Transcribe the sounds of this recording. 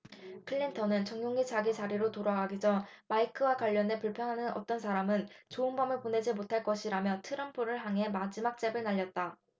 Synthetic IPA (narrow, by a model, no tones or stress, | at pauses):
kʰɯʎːintʰʌnɯnt͡ɕʌŋjoŋit͡ɕaɡit͡ɕaɾiɾotoɾaɡaɡid͡ʑʌmaikʰɯwakwaʎːʌne̞puɭpʰjʌnɦanɯnʌ̰t͈ʌns̬ʰaɾamɯnt͡ɕoɯnbʌmɯɭpone̞d͡ʑimotʰaɭk͈ʌɕʰiɾamjʌtʰɯɾʌmpʰoɾɯɭɦaŋɦe̞mad͡ʑimak̚t͡ɕ͈e̞bɯɭnaʎːʌt̚t͈a